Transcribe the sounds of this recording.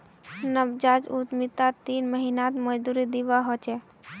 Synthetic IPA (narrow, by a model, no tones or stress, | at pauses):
nəbd͡ʒaːd͡ʒut̪mit̪at̪iːnməɦinat̪məd͡ʒd̪uɾid̪iʋaɦot͡ʃɛ